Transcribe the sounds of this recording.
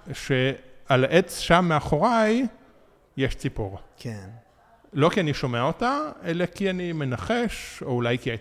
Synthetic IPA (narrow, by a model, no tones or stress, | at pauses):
ʃealaʔet͡sʃamːeaχo̞ʁaj | jeʃt͡sipuʁkʰen | lo̞kianiʃo̞meaotaelekianime̞naχeʃoulajkia